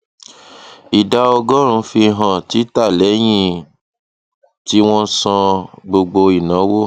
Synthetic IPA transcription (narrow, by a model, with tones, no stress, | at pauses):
i˨da˧ɔ˧ɡɔ˦ɾ̃ũ˧˦fi˧ɦã˨ti˨˦ta˦˨lɛ˨˦j̃ĩ˦˨ | ti˨˦w̃ɔ̃˦sã˧ɡ͡bo˧ɡ͡bo˧i˨nã˨˦wo˦